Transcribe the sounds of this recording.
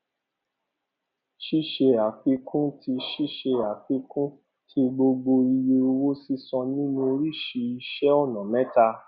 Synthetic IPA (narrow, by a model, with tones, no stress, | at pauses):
ʃi˦˨ʃe˧a˨k͡pi˦kʰũ˦tʰi˧ʃi˦˨ʃe˧a˨k͡pi˦kũ˦ | tʰi˧˦ɡ͡bo˧ɡ͡bo˧i˧je˧o˧wo˦si˦sɔ̃˧nĩ˦nũ˦˧ɾi˦˨ʃi˧i˧ʃɛ˦ɔ˦˨nɔ̃˨mɛ̃˦ta˧